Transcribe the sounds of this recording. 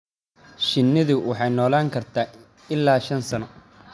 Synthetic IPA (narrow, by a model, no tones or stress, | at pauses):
ʃɪnːɪðʊwʔɑħɑjnɔːlaːŋkʰɐrt̪ʰaː | ɪlːaːʃɐnsɐnɔ